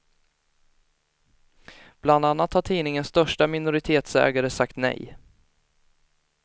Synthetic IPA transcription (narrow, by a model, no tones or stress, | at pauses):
b̥land̪anːat̪haʈʰiːnɪŋənst̪œʂʈamɪnʊɾɪt̪ʰeːt̪sɛ̰ːɡaɾəsakt̪nɛ̰j